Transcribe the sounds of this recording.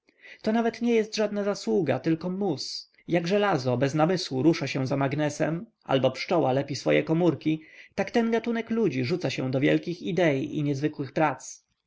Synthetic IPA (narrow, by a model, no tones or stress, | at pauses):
t̪ɔnavɛt̪ɲɛjɛst̪ʐad̪nazaswuɡa̰t̪ɘlkɔmus | jaɡʐɛlazɔbɛznamɘswuɾuʂaɕɛ̃zamaɡnɛsɛ̰mʔa̰lbɔpʂt͡ʂɔwalɛpʲisfɔjɛkɔmuɾkʲit̪akt̪ɛnɡat̪unɛklud͡ʑiʐut̪saɕɛ̃d̪ɔvʲjɛ̰lkʲixid̪ɛiʔḭɲɛzvɘkwɘxpɾat̪s